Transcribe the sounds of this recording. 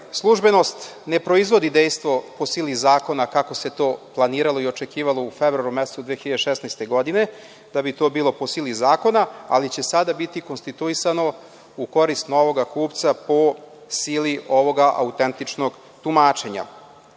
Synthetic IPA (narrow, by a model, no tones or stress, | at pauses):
slˠuʒbe̞no̞st̪ne̞pɾo̞izʋo̞d̪id̪ejst̪ʋo̞posiːlizaːko̞nakako̞se̞t̪o̞ːplˠaniːɾalˠo̞io̞t͡ʃe̞kiːʋalˠoufevɾoaɾumese̥t̪ud̪ʋeexiʎad̪eʃɛsnajst̪e̞ɡo̞d̪ine̞ | d̪̥abit̪o̞ːbiːlˠo̞po̞siːlizaːko̞naalit͡ɕe̞sad̪abit̪iko̞nst̪it̪uisano̞ | uko̞ɾist̪no̞ʋo̞ɡakuːpt̪sapo̞ | siːliʔoʋo̞ɡaʔa̰ut̪ent̪it͡ʂnoɡ | t̪umaːt͡ʃe̞ɲa̰